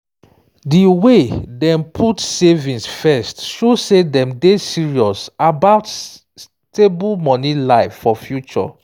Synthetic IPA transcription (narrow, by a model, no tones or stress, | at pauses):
diwedɛ̃mpʰutsevĩnsfɛstʃosedɛ̃mdesiɹiɔsabaʊt | s | tebulmɔ̃nilaɪfːɔfjut͡ʃɔ̰